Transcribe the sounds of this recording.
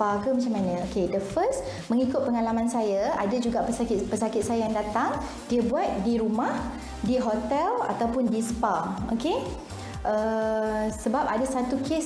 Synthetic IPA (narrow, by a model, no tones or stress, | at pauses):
pakəmat͡ʃamanə̃okedəfəst | mə̃ŋikʊt̪̚pəŋalamãnsajaa̰dad͡ʒuɡaʔpəsakɪt̪pəsakɪt̪̚sajajaŋdat̪aŋ | diəbuat̪̚diɾumãh | diɦot̪ɛla̰t̪awpʊndispao̰ke | ʔə | səbap̚adasat̪ukʰes